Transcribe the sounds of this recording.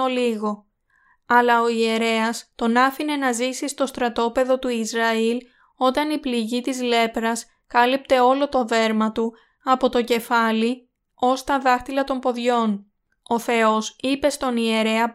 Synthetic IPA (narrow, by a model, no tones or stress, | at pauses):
oliɣo̞ | ɐlɐo̞ie̞ɾe̞ɐst̪o̞nɐfine̞nɐzisist̪o̞st̪ɾɐt̪o̞pe̞ðo̞t̪uizɾɐil | o̞t̪ɐnipliʝit̪izle̞pɾɐs | kɐlip̚t̪e̞o̞lo̞t̪o̞ðe̞ɾmɐt̪u | ɐpo̞t̪o̞ce̞fɐli | o̞st̪ɐðɐxt̪ilɐt̪o̞mpo̞ðʝo̞n | o̞θe̞o̞sipe̞st̪o̞nie̞ɾe̞ɐ